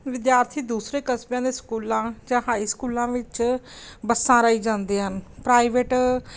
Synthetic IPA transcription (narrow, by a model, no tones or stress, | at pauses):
ʋɪd̪jaːɾt̪ʰiːd̪uːsɾeːkəsbjãːd̪eːskuːlãːd͡ʒãːɦaːiːskuːlãːʋɪt͡ʃ | bəsːãːɾəːiːd͡ʒãːnd̪eːɦənpɾaːiʋeːʈ